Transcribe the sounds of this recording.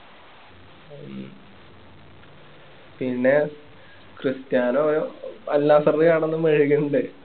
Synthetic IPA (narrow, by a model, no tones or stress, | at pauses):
pinːe̞ | krɨst̪jaːnooɾuɐlːaːsɐrikɐɽɐnːɨmɐɻiɣuɳɖɨ